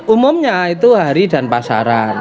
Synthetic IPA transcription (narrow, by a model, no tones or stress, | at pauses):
ʔumʊmɲait̪uɦaɾida̤npasa̰ɾan